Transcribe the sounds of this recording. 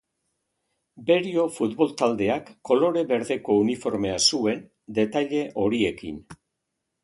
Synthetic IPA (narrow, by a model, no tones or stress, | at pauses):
be̞ɾio̞fut̪βo̞lt̪ald̪e̞akːo̞lo̞ɾe̞βe̞ɾðe̞ko̞unifo̞ɾme̞asue̞n | d̪e̞t̪aʎe̞ʔo̞ɾie̞kḭn